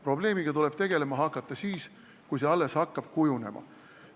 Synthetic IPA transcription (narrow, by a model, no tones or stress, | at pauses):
pro̞ble̞ːmiɡ̥ɑt̪ule̞b̥t̪e̞ɡ̥e̞le̞mɑɦɑkːˑɑt̪ːˑɑsiːs | kujseɑlːeshɑkːɑb̥̚kujune̞̰mɑ̰